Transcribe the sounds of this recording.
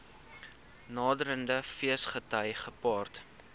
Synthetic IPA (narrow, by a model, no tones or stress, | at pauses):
nɑːdəɾəndəfiəsχətəjχəpɑːrt